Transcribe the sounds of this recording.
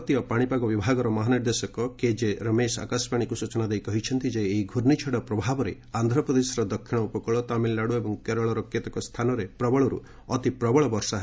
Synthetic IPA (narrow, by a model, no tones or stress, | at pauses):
t̪iɔpaɽ̃ipaɡɔbibʱaɡɔɾɔmɔɦaniɾd̪esɔkɔked͡ʒeɾəmesa̰kaspaɽ̃ikusut͡ʃɔnad̪ejkɔɦit͡ʃʰɔnt̪id͡ʒeːɦiɡʱuɾnit͡ʃʰeɽɔpɾɔbʱabɔɾe | and̪ʱɾɔpɾɔd̪esɔɾɔd̪ɔkʰːiɽ̃ɔupɔkɔɭɔt̪amilːaɽuebɔŋkeɾɔɭɔɾɔkːet̪ɔkɔst̪ʰanɔɾepɾɔbɔɭɔɾṵ | ɔt̪ipɾɔbɔɭɔbɔɾsaɦe